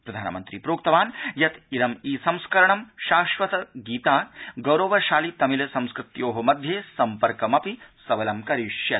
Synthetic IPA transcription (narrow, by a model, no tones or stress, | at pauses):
pɾɐd̪ʱaːnɐmɐ̰nt̪ɾiːpɾoːkt̪ɐʋaːnjɐt̪iɾɐmiːsɐmskɐɾɐɳɐmʃaːʃʋɐt̪ɐɡiːt̪aːɡɐwɾoːʋɐʃaːlit̪ɐmilɐsɐ̃mskɾɪt̪joːɦɐmɐd̪ʱjeːsɐmpɐɾkɐmɐpisɐʋɐlɐmkɐɾiʃjɐ